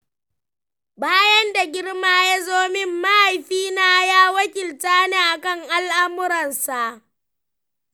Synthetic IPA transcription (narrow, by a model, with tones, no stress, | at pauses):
baː˦jɐ˦nda˨ɡʲɪ˦ɽmaː˦ja˦zoː˦mɪ˦mːa˦ha˨jɸiː˦naː˦jaː˦wɐ˦kʲɪ˨ltaː˦neː˦ʔa˨kɐ˦ŋʔa˦˨lʔa˦mʊ˦ɾɐ˨nsa˨ʔ